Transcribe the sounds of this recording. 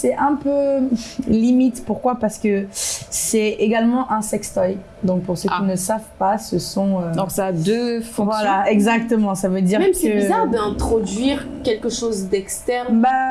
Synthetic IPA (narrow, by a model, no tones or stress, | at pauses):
sɛʔɛ̃pø | limit̪puʁkwapaʁsə̥kəsɛeɡalmɑ̃ʔɛ̃sɛkst̪ɔj | d̪ɔ̃k̚puʁsøkkinəsavpasəsɔ̃øɔ̃sad̪øfɔ̃vwalaɛɡzak̚t̪əmɑ̃savød̪iʁmɛmsɛəbizaʁd̪ɛ̃t̪χɔd̪ɥiʁkʲɛlkəʃozd̪ɛkst̪ɛʁnba